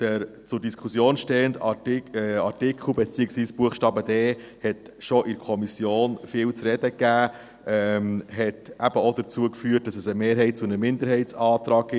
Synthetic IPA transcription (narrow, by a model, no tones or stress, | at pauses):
d̥əɾt͡sʊɾdiskʰusjoːnʃtɛːəndɑ | ɑɾtɪkχl̩ˠbɛt͡siːəksʋiːsb̥uəχʃtɑːbədɛː | hɛt | ʃɔʔɪɾkʰɔmisjoːnfɪːlt͡sɾɛd̥əkæː | ɛmɦɛtʔæb̥əodət͡suəkfyːət̚d̥ɑsəsəmeːɾɦɛɪt̚t͡suənəmɪnd̪əɾɦɛɪtt͡sɑːt̪ɾɑːɡ̚ɡɪ